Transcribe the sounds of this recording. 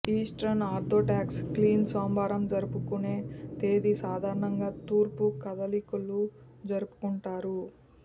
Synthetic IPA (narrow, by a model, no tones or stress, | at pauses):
iːsʈɾɐnaːɾd̪ʱoːʈaːkskliːnsoːmbaːɾɐmd͡ʒɐɾupukune̞ːt̪e̞ːd̪isaːd̪ʱaːɾɐɳɐŋɡaːt̪uːɾpukɐd̪ɐlikulu | d͡ʒɐɾupu̥kuɳʈaːɾu